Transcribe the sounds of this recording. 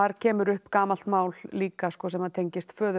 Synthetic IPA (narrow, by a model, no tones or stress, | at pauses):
aɾcʰɛːmʏɾʏhpkaːmal̥t̪maːwlliːkaskɔsɛmhaðt̪ʰejɲcɪst̪fœːðʏ